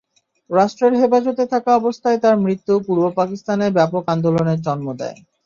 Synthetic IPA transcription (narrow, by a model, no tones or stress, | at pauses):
ɾaʃʈɾeɾɦepad͡ʑot̪et̪ʰakaɔbost̪ʰaet̪aɾmɾit̪ːupuɾbopakist̪aneɾbɛpokand̪oloneɾt͡ɕɔnmod̪ɛ̰e